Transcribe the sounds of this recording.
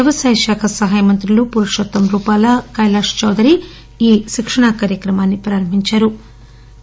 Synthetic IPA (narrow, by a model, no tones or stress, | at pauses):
jɐʋɐsɐjʃaːkʰɐsɐɦaːjɐmɐnt̪ɾɐlupuɾɐʂot̪ːɐmɾuːpaːlɐkɐjlaːʂt͡ʃɐwd̪ʱɐɾi | iːʃikʂɐɳakaːɾjɐkɾɐmaːnːipɾaːɾɐm̤iɲt͡ʃɐɾu